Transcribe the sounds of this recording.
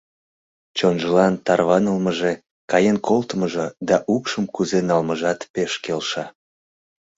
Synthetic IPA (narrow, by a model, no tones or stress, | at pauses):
t͡ɕonʒəlɑnt̪ɑrβɑnəlməʒe | kɑjenkʰolt̪əməʒed̪ɑʔukʃəmkuzenɑlməʒɑt̪peʃkelʃɑ